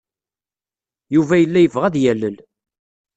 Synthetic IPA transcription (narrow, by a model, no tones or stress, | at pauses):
juvæjəlːæjəvʁæðjælːəl